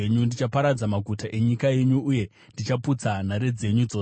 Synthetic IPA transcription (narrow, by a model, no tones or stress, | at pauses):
ɲundit͡ʃapaɾad͡zamaɡʱutaʔe̞ɲikaje̞ɲuːje̞ | ndit͡ʃaput͡san̤aɾe̞d͡ze̞ɲud͡zoː